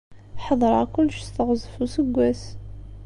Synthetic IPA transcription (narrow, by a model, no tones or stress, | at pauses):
ħɑðˤɾˤɑkʊlːʃst̪əʁzəfusəɡʷːæs